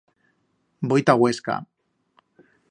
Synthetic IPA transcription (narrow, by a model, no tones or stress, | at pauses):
bojt̪aɣweska̰